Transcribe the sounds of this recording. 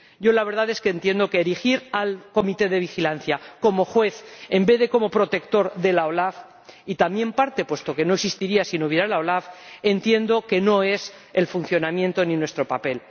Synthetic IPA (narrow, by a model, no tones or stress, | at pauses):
ɟ͡ʝo̞laβe̞ɾðaðe̞skent̪je̞nd̪o̞ke̞ːɾixiɾalko̞mit̪e̞ðe̞β̞ixilanθjako̞mo̞xwe̞θe̞mbe̞ðe̞ko̞mo̞pɾo̞t̪e̞kt̪o̞ɾðe̞laolaf | it̪amje̞mpaɾt̪e̞pwe̞st̪o̞ke̞no̞eksist̪iɾiasinoβjeɾalaolafent̪je̞nd̪o̞ke̞no̞e̞s | e̞lfunθjo̞namjẽ̞nt̪o̞nĩnwe̞st̪ɾo̞pape̞l